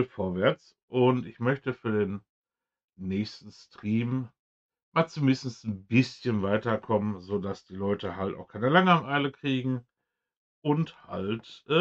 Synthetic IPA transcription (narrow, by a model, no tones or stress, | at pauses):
lfoːɐvɛɐt͡s | ʔʊntɪçmœçtəfyːɐdeːnː | ɛːçstn̩stʁ̥iːm | maːlt͡sumɪnsn̩sn̩bɪsçənvaɪtɐkʰɔmənzoːdasd̥iːlɔʏtəhaltʔa̰ʊxkʰaɪnəlaŋəamʔaɪləkʁ̥iːɡŋ̩ | ʔʊnthaltʔɛ